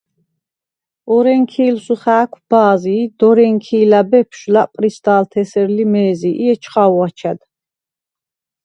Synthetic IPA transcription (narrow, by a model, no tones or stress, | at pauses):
ɔɾɛŋkʰiːlsuχaːkʷʰb̥aːzid̪̥ɔɾɛŋkʰiːlabɛpʰʃlapʼɾist̪aːlt̪ʰɛsɛɾlimɛːziʔiɛt͡ʃʰχawat͡ʃʰad̪